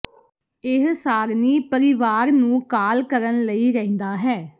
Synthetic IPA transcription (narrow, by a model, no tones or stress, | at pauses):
ɪɦsaːɡniːpəɾɪʋaːɾnũːkaːlkəɾənləiːɾɛɦɪ̃nd̪aːɦɛː